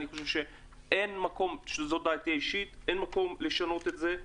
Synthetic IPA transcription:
niχoʃevʃe̞ | ʔenmako̞mʃezo̞d̪aːt̪iaiʃit̪ʔenmako̞mle̞ʃano̞t̪e̞tze̞

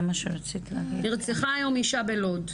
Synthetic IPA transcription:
maʃeʁat͡sit̪ilaɡiniʁt͡seχaːjo̞miʃabelod

